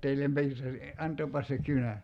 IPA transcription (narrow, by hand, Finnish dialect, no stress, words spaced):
teilːem piːrtæsi ɑntˑoːpɑs se kynæ